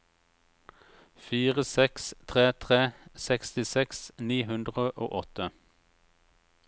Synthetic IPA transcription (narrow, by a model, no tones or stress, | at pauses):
fiːʁəsɛkst̪ʰʁeːt̪ʰʁeːsɛkst̪ɪsɛksniːhʉnd̪ʁəʔo̰ːʔɔt̪ə